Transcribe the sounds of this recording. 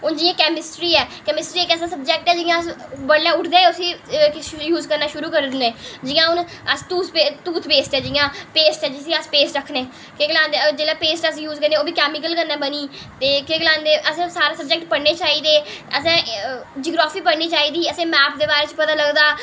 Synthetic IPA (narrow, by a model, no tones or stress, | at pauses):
ʊnd͡ʒɪãːkɛːmɪsʈɾiːɛːkɛːmɪsʈɾiːeːkɛsãːsəb̚d͡ʒɛːk̚ʈɛːd͡ʒɪːãːəsbəɽːãːʊʈʰd̪eːʊsiː | juːzkəɾnaːʃʊɾuːkəɾd̪ɪnẽːd͡ʒɪːãːʊnəst̪uːt̪ʰpet̪uːt̪ʰpeːsʈɛːd͡ʒɪjãːpeːsʈɛːd͡ʒɪsĩəspeːsʈɾəkʰːneː | keɡəlãːnd̪ed͡ʒeːlãːpeːsʈəs̬juːzkəɾnẽːoːbiːkɛːmɪk̬əlkəɾnãːbəniː | t̪eːkekəlãːnd̪eːʔəsɛ̃ːsaːɾeːsəb̚d͡ʒɛːk̚ʈpəɽneːt͡ʃaːiːd̪eːəsɛ̃ːd͡ʒɪɡɾaːfʰiːpəɽniːt͡ʃaːiːd̪iːəsẽːmɛːp̚d̪eːbaːɾeːt͡ʃpət̪ãːləɡd̪aː